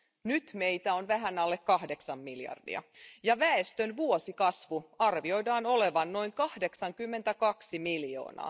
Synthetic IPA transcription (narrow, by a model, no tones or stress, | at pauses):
nyt̪me̞jt̪æonʋæɦænɑlːekkɑhdeksɑmːiljɑ̰rdḭɑ̰jɑʋæest̪ønʋuosikɑsʋuɑrʋio̞jdɑːno̞le̞ʋɑnːo̞jŋkɑhde̞ksɑŋkymːe̞nt̪ækɑksimiljo̰ːnɑ̰ː